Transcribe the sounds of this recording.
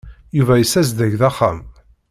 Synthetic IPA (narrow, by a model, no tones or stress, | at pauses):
juvæjəsæzd̪æʝðæχːam